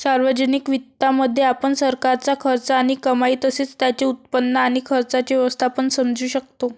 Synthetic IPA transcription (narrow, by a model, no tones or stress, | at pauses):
saɾʋəd͡ʑənikʋit̪ːaməd̪ʱːjeapəɳsəɾkaɾt͡sakʰəɾt͡saːɽ̃ikəmaiːt̪əseːt͡st̪jat͡ɕiut̪̚pənːəañikʰəɾt͡sat͡ɕiʋɛʋəst̪ʰapəɳsəmd͡zuːɕək̚t̪o